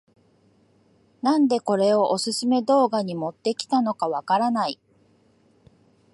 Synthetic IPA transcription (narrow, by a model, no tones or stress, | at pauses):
nãnd̪e̞ko̞ɾe̞o̞ʔosɨsɨme̞d̪o̞ːɡaɲ̟imo̞t̪ːe̞kʲi̥t̪ano̞kaβakaɾanai